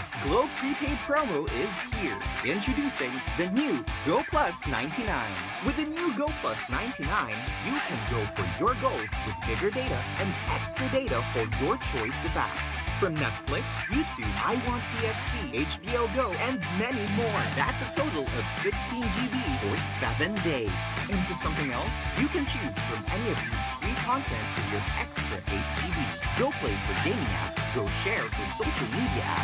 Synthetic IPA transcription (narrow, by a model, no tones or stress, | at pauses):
sɡ̥loʊpʰɹ̥ipʰeɪpʰɹ̥õʊ̃moʊʔɪz̥hiɹɪ̃nt͡ʃɹ̥ɨdʉsɪ̃ŋðɨnjʉɡoʊpʰl̥ʌsnã̰ɪ̃ntʰinã̰ɪ̃n | wɨðɨnjʉɡoʊpʰl̥ʌsnã̰ɪ̃ntʰinãɪ̃njɨkʰɨ̃nɡoʊfə̰˞jə˞ɡoʊlˠz̥wɨðbɪɡə˞deɪɾɨ̰ɨ̃nɛkstɹ̥ɨdeɪɾəfəjə˞t͡ʃʰɔɪsɨvæ̰k̚sfɹʌ̃mnɛtflɪksjɨtʰʉa̰ɪwɑ̃nsʰiɛfsieɪt͡ʃb̥ioʊɡoʊɨ̃nmɛnimɔɹðæ̰tsɨtʰoʊɾl̩ˠʌv̥sɪkstʰĩnd͡ʒivifə˞sɛvɨ̃ndeɪz̥ɨ̃ntʰɨsʌ̃mθɪ̃ŋɛlˠsjɨkɨ̃nt͡ʃʰʉz̥fɹʌ̃mɛniʌvjəz̥fɹikʰɑ̃ntʰɛ̃ntfə˞jə˞ɛ̰kstɹ̥ɨ̰ʔḛɪt͡ʃtʰiviɡ̥oʊpʰl̥eɪfə˞ɡẽɪ̃mɪ̃ŋæ̰pɡ̥oʊʃɛɹfə˞soʊʃl̩ˠmiɾiɨ̰ʔæ̰